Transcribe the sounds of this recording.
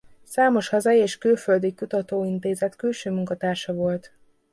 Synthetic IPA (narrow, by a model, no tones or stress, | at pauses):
saːmo̞ʃhɒzɒjieːʃkøːfø̞ld̪ikut̪ɒt̪oːint̪eːzɛt̪kylʃøːmuŋkɒt̪aːrʃɒvo̞lt̪